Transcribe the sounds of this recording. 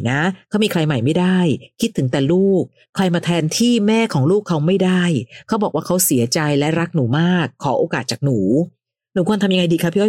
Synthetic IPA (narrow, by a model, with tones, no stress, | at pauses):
na˦˥kʰa˦˥wmiː˧kʰɾa˧jma˨˩jma˥˩jdaː˥˩jkʰi˦˥t̪ʰːɯ˩˦t̪ɛː˨˩luː˥˩k̚ʰːɾa˧jmaː˧t̪ʰɛː˧nt̪ʰiː˥˩mɛː˥˩kʰɔː˩˦ŋluː˥˩kʰːa˦˥wma˥˩jda˥˩jkʰa˦˥bɔː˨˩kwaː˥˩kʰa˦˥wsi˨˩˦ɐt͡ɕa˧jlɛ˦˥ɾa˦˥k̚nuː˩˦maː˥˩kʰːɔː˩˦ʔoː˧kaː˨˩t̪̚t͡ɕaː˨˩k̚nuː˩˦ | nuː˨˩˦kʰu˧nt̪ʰa˧mja˧ŋa˧jdiː˧kʰa˦˥pʰːi˦˥ɔ˥˩